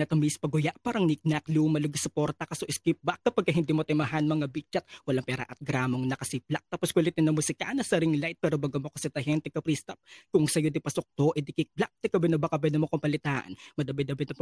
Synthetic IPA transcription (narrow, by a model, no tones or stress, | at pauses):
ɐt̪ɐmispɐɡʊjaʔpaːɾɐŋnik̚nɐklumɐloɡɐsʊpo̞ɾt̪ɐkɐsoʔɪskip̚bɐk̚kːɐpɐɡ̚kːɐɦɪnd̪iːmot̪ɛmɐɦanmɐŋabit͡ʃɐt̪̚wɐlaŋpɛːɾɐ̰ʔɐt̪̚ɡɾaːmoŋnɐkɐsip̚lak̚t̪aːposkwɐlit̪ɪnːɐŋmʊsɪka̰nɐsɐɾiŋlajt̪̚pɛːɾobɐɡɐmokɐsɛt̪ɐɦɛnt̪ɛkɐpɾist̪ɐp̚kʊŋsɐjod̪ɪpɐsok̚t̪oʔɛd̪ɪkɪk̚blak̚t̪ɛkɐbɛnɐbɐkɐbɛnɐmokompɐlɪt̪aːʔɐ̰nmɐd̪ɐbɛd̪ɐbɛnɐ